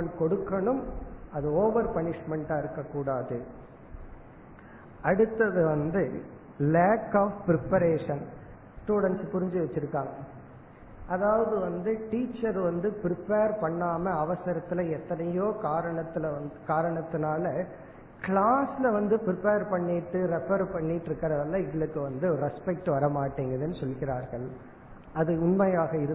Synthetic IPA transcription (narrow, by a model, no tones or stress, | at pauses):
ɐɳkɔɽɯkːɐɳɯmɐðɯoːʋɐɾpɐɳɪʂmɛɳʈaːɪɾɯkːɐkːuːɽaːðɯ | ɐɽɯt̪ːɐðɯʋɐnd̪ɯ | leːkːaːfpɪɾɪpɐɾeːʂɐn | sʈuːɽɐnspʊɾɪɲd͡ʒiʋɐt͡ʃːɪɾɯkːaːŋɡɐ | ʔɐðaːʋɐðɯʋɐnd̪ɯʈiːt͡ʃːɐɾʋɐnd̪ɯpɾɪpeːɾpɐɳːaːmɐɐʋɐsɐɾɐt̪ːɪlɐɛt̪ːɐnɐjoːkaːɾɐɳɐt̪ːɪlɐʋɐnd̪ɯkaːɾɐɳɐt̪ːɯnaːlɐ | kɭaːsɪlɐʋɐnd̪ɯpɪɾɪpeːɾpɐɳːɪʈːɯɾɛpɐɾpɐɳːɪʈːɪɾɯkːɐɾɐðɐlːɐɪɣɐɭɯkːɯʋɐnd̪ɯɾɛspɛk̚ʈɯʋɐɾɐmaːʈːiːŋɡɾɐðɛnːɯsɔlɣɪɾaːɾɣɐɭ | ɐðɯʊnmɐjaːɣɐɪɾɯ